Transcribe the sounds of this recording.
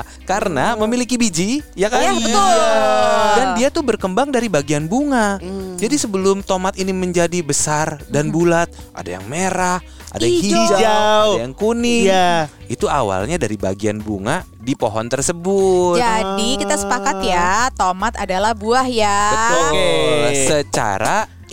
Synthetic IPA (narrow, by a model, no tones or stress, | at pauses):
kaɾənaməmilikibid͡ʒijakaibə | dandiat̪uhbərkəmbaŋdaɾibaɡianbuŋad͡ʒadisəbəlʊmt̪omat̪iniməɲd͡ʒadibəsardanbulat̪̚ | ʔa̰da̰ja̰ŋmeɾah | a̰dajahiad͡ʒaajaŋkunɪja | it̪ua̰wa̰lɲadaɾiba̰ɡianbuŋa | dipoɦɔnt̪ərsəbʊd͡ʒ̪adikit̪asə̥pakat̪jat̪omat̪adalahbuahjabət̪ʊ | sət͡ʃa̰ɾa